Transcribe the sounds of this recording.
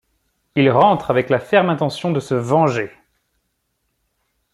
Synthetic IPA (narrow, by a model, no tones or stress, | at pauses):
ilʁɑ̃t̪χavɛklafɛʁmɛ̃t̪ɑ̃sjɔ̃d̪əsəvɑ̃ʒe